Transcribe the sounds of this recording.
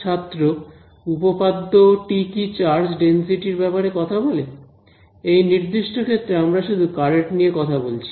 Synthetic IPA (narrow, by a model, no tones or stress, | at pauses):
at̪ːɾo | upopad̪ːoʈikit͡ɕaɾd͡ʑɖensiʈiɾbɛpaɾekɔt̪ʰabole | ejniɾd̪iʃʈʰokʰet̪ːɾeamɾaʃud̪ʱukaɾeʈniekɔt̪ʰabolt͡ɕʰi̥